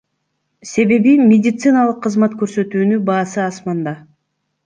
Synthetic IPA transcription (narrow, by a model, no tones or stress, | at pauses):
se̞βe̞βimʲedʲɪt̪sɨnalˠɯqʰːɯzmɑt̪kø̞ɾsø̞t̪yːnybɑːsɯɑsmɑnd̪ɑ